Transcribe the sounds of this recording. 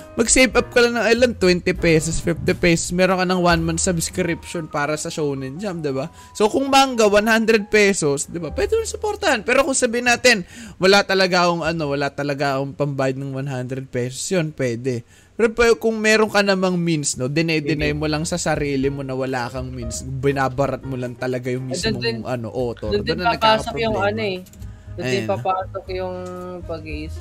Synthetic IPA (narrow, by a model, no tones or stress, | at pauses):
mɐɡsejbʔɐp̚kɐlanɐŋɐjlɐnt̪wɛnt̪ɪpɛsosfift̪ɪpɛsosmɛːɾoŋkɐnɐŋwanmansɐbskɾɪpʃonpaːɾɐsɐʃownɪnd͡ʒamd̪ɪba | so̞kʊŋmaŋɡɐwanhand̪ɾɛd̪̚pɛso̞sd̪ɪbapwɛd̪ɪmonsʊpoɾt̪ɐhanpɛːɾo̞kʊŋsɐbiːhɪnːaːt̪ɪnwɐlat̪ɐlɐɡakoŋɐno̞wɐlat̪ɐlɐɡaoŋpɐmbajɐd̪̚nɐŋwanɦand̪ɾɛd̪̚pɛːso̥sjonpwɛːd̪ɛ | pɛɾpɛkʊŋmɛːɾoŋkɐnɐmaŋminsno̞d̪ɪnɐjd̪ɪnajmolɐŋsɐsɐɾiːlɪmo̞nɐwɐlaːkɐŋminsbɪnaːbɐɾɐt̪̚molɐŋt̪ɐlɐɡajʊŋmismoʔɐ̰no̞̰ʔoːt̪od̪onɐaɐɡ̚paaːkɐsopɾjʊŋɐnoɛ | d̪ɛpɐpaːsok̚jʊŋpɐɡiʔis